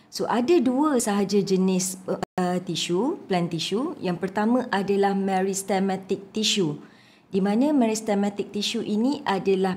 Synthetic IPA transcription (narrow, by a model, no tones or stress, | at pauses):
soʔadaduəsaɦad͡ʒad͡ʒənɪs | t̪iʃuplant̪iʃujaŋpərt̪amə̃ʔadalahmɛ̃ɾist̪ɛmãt̪ɪk̚t̪iʃu | dimãnãmɛ̃ɾist̪ɛmãt̪ɪk̚t̪iʃuʔinĩʔadalah